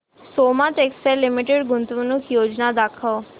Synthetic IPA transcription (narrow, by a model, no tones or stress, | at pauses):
somat̪ekselimiʈeɽɡunt̪unukʰjod͡ʑnad̪akʰəʋ